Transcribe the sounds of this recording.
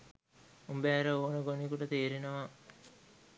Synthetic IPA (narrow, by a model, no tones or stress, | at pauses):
umbæːɾəoːnəɡonikuʈət̪eːɾenəʋa